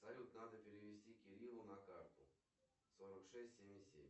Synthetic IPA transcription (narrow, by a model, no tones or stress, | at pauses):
sɐlʲut̪nad̪əpʲɪɾʲɪʋʲɪsʲtʲikʲɪɾʲilˠʊnɐkart̪ʊ | soɾəkʂɛsʲtʲsʲemʲɪsʲḛmʲ